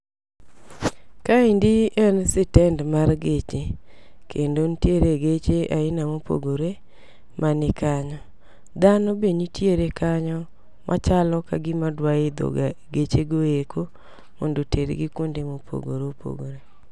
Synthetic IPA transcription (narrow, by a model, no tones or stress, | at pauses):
kaindiɛnsɪtɛndmarɡet͡ʃe | kʰendontjeɾeɡet͡ʃeʔaɪnamopo̰ɡoɾe | mʔanɪkaɲɔ | d̪anɔbeɲitjeɾekaɲɔ | mʔa̰t͡ʃalɔkaɡɪmadwaɪd̪o̰ɡaɡet͡ʃeɡoekʰo | mo̰ndoteɾɡɪkondemopʰo̰ɡo̰ɾopʰo̰ɡoɾe